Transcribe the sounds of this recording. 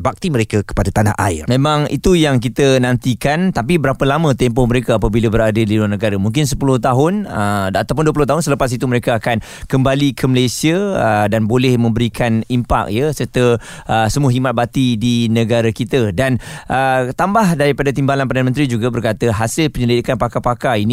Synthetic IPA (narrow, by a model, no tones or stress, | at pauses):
bak̚t̪iməɾekakə̥padat̪ana̰ɦʔa̰ɪ̰rmẽmãŋḭt̪ujaŋk̬it̪ənãnt̪ikant̪ap̬ibəɾapəlamə̃t̪ɛmpɔhməɾekaapabilabəɾadalilũanəɡaɾamuŋk̬ɪns̬əpulʊht̪aɦʊnəat̪awp̬ʊnduəp̬ulʊht̪aɦʊnsələpas̬it̪uməɾekaːkan | kəmbalikʰəməlejsiədanbolɛhmə̃mbəɾikʰanimpa̰k̚jəsərt̪ə | ʔəsəmuaɦimat̪̚bat̪idinəɡaɾakit̪ədanʔət̪ambahdaɾipadat̪imbalanpərdanə̃mənt̪ɾid͡ʒuɡabərkat̪əɦasɪlpəɲəlidikanpakapakaini